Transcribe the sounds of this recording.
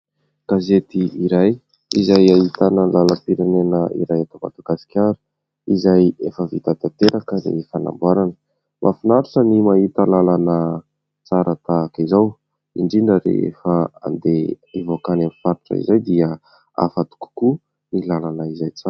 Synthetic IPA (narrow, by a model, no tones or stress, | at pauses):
ɡ̥azet̪iiɾaj | izajaɦit̪anəlaləpiɾenenəḭɾajat̪ama̰d̪aɡasi̥kʲaɾu̥ | izajefəvit̪at̪at̪eɾakənḭfana̰mbaɾanə̥ | mʔafinaɾuʈ͡ʂənimaɦit̪əlalanə | t͡saɾʔat̪aːkizaw | iɳɖ͡ʐinəɾḛḛfəa̰nd̪eivokanamifaɾuʈ͡ʂə̰ḭzajd̪iə | a̰fat̪u̥ku̥ku | nilalanəizajt͡saɾ